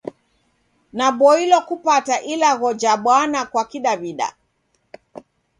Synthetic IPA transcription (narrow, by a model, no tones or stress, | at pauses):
naɓɔilɔkupataʔilaɣɔd͡ʒaɓwanakwakiɗaβiɗa̰